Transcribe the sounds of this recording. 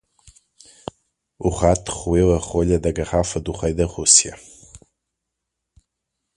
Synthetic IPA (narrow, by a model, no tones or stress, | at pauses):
uχatʰχwiwaχoʎʲadaɡaχafaduχajdaχusja